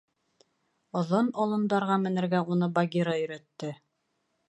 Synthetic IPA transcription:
ŏðonɒlˠɤ̆nd̪ɑɾʁɑmɘ̆nɘ̆ɾɡæunɤbaɡʲiɾɑɵ̆jɾæt̪ːɘ

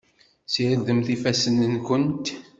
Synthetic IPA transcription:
siɾəd̪əmθifæsənənkənt̪

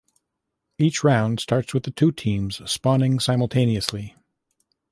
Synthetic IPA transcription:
it͡ʃɹãʊ̃nd̥stʰɑɹtswɨðɨtʰʉtʰĩmz̥spɑ̃nɪ̃ŋsãɪ̃ml̩ˠtʰẽɪ̃niɨsli

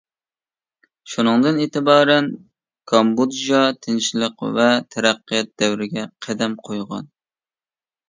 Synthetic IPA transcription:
ʃunɨŋd̪ɨneːt̪ɪbɑːɾɛn | kʰɑmbud̪ʒɑt̪ʰɪnʃlˠɨqvɛt̪ʰæɾæqːɨjɑt̪̚d̪æwɾɪɡʲɛqʰæd̪æmqʰojʁɑ̰n

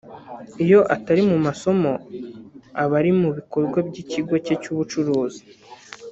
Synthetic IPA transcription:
ijo̞ʔataɾimumaso̞mo̞ | aβaɾimuβiko̞ɾɡwabɟiciɡo̞ce̞cuβut͡ʃuɾuːzi̥

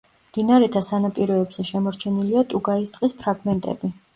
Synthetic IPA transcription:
md̪inaɾɛt̪ʰasanapʼiɾɔːbz̥ɛʃɛmɔɾt͡ʃʰɛniliat̪ʼuɡaist̪ʼqʼispʰɾaɡmɛnt̪ʼɛ̰bi

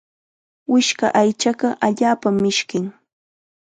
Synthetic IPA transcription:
wɪʃka̰ʔajt͡ʃaɢɑʔaʎaːpamːɪʃkɪŋ

